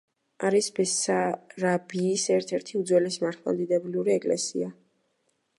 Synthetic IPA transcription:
aɾisbɛsaɾabiːsɛɾt̪ʰɛɾt̪ʰiud̪zwɛlɛsmaɾt̪ʰlˠa̰nd̪id̪ɛbliuɾiɛkʼlɛ̰sḭa

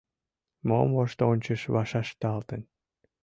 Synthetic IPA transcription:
mo̰mvoʃt̪onʲt͡ɕə̆ʃβɑʃɑʃt̪ɑlt̪ə̆n

